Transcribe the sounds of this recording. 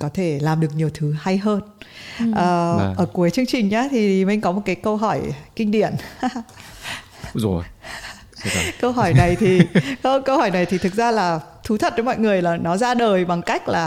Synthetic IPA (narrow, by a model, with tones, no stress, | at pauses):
kɔ˨˦t̪ʰe˧˩laː˨˩mɗɨ˨˩ək̚ɲi˨˩əwt̪ʰɨ˨˦ha˧jɦəː˧nʔəː˨˩ʔəː˧˩ku˨˦əjt͡ɕɨ˧əŋt͡ɕï˨˩ŋ̟ɲaː˨˦t̪ʰi˨˩mi˧˩ŋ̟kɔ˨˦mo˨˩t̚kaː˨˦jkə˧wɦɔ˧˩jkï˧ŋ̟ɗḭ˧˨ən˨˧˨ | kə˧wɦɔ˧˩jna˨˩jt̪ʰi˨˩xə˧kə˧whɔː˧˩jna˨˩jt̪ʰi˨˩t̪ʰɨ˨˩k̚zaː˧laː˨˩ | t̪ʰu˨˦t̪ʰə˨˩t̚t͡ɕɔ˧mɔ̰˧˨jŋɨ˨˩əjlaː˨˩nɔ˨˦zaː˧ɗəː˨˩jɓa˨˩ŋka˦˥jk̟̚laː˨˩